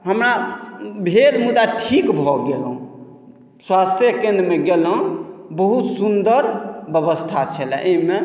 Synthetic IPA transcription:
ɦəmɾabʱed̪mud̪aʈʰikbʱɔɡelũ | swast̪ʰjəkẽnd̪ɾmeɡelɦũbəɦut̪sund̪əɾbəβəst̪ʰat͡ʃʰɛlɛ̰ʔeme

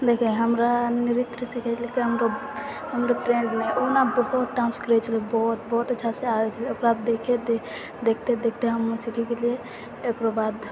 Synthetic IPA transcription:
d̪ekʰɛ̃ɦəmɾaniɾit̪ɾəsikʰɛlikiɦəmɾo | ɦəmɾoʈɾeɳɖmeʔonabəɦut̪ʈãnskəɾɛt͡ʃʰəlibɔɦt̪̚bɔɦut̪ətːʃʰaseabɛt͡ʃʰəlieokɾab̚d̪ekʰed̪e | d̪ekʰt̪ed̪ekʰt̪eɦəmːesikʰɛkelieː | kɾobad̪

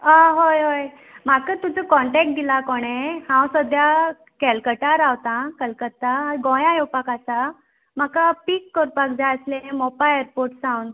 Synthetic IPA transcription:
aɦojɦoj | m̤akət̪ud͡zəkɔɳʈɛk̚ʈ̚ɡ̪ilakɔɽ̃ehãwsəd̪ʱja | kɛlkəʈaɾawt̪ãkəlkət̪ːaɦaɡɔ̃jãjɔwpakasa | m̤akapikːɔɾpak̚d͡zaəslemɔpaeɾpoɾʈsãwn

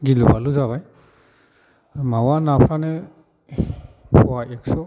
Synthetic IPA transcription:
ɡilubaluzaβaj | mawanapʰɾane | pʰɔwaɛksɔ

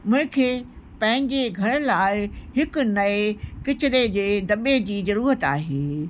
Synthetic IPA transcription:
mʊ̃ɦɪ̃kʰeːpɐ̃ɦɪ̃ɲd͡ʑeɡʱɐɽ̃laːɪɦɪkʊ̆nɐekɪt͡ɕɪɾed͡ʑeːd̪ɐɓed͡ʑiːzɐɾuːɾət̪aːɦeː

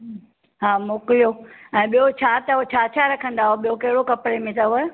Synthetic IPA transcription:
ɦaːmokijoɛ̃ːɓijot͡ɕʰaːt̪aɦot͡ɕʰaːt͡ɕʰaɾɐkʰə̃nd̪aɦoɓijokɐɦɪɽokɐpɽemẽt̪ʰaɦue

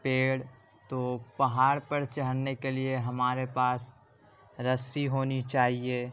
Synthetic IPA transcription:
peːɽ | t̪oːpɐɦaːɽpɐɾt͡ʃɐɦəɽnekelieɦɐmaːɾepaːs | ɾəsiɦoːnit͡ʃaːɦie

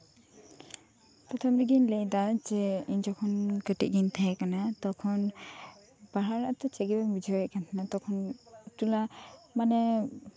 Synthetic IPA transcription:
pɾɔt̪ʰɔmɾiɡinlɛjd̪ad͡ʒɛiɲd͡ʒɔkʰɔnkəʈiʔɡint̪ʰɛkanat̪ɔkʰɔn | baɦaɾnaʔt̪ɔt͡ʃɛɡibamid͡ʒʱɔɔʔkant̪ʰanat̪ɔkʰɔnt̪ulamanɛ

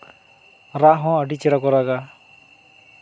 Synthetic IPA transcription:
ɾaʔɦɔ̃əɖit͡ʃɛɾakɔɾaɡa

